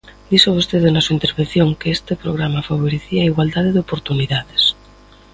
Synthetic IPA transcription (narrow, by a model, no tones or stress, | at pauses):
d̪̥isaβost̪eðenasuaint̪eɾβẽn̟θjoŋkeest̪epɾoɣɾamafaβ̞oɾeθiaiɣwald̪aðeðeopoɾt̪uniðaðes